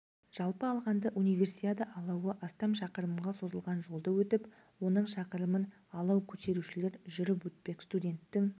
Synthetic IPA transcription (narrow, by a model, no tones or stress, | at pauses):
ʒ̥ɑlˠpəɑlˠʁɑnd̪əʔunijvʲe̞ɾsijt̪ad̪əʔɑlˠɑwəʔɑst̪ɑmʃɑqəɾəmʁɑso̞zəlˠʁɑnʒo̞lˠd̪əwɵt̪ɪp | wo̞nəɴʃɑqəɾəmən | ɑlˠɑwkʲʰɵt̪e̞ɾuʃɪle̞ɾʒʏɾɪpwɵt̪̚pe̞kst̪udʲe̞nt̪ːɪŋ